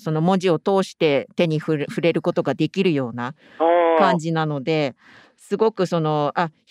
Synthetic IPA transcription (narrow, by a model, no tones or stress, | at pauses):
so̞no̞mo̞ʑio̞t̪o̞ːɕi̥t̪e̞t̪e̞ɲ̟iɸɯɸɯ̟ɾe̞ɾɯ̟ko̞t̪o̞ɡad̪e̞kʲiɾɯ̟jo̞ːna | kãɲd͡ʑinano̞d̪e̞ | sɨɡo̞kɯ̟so̞no̞a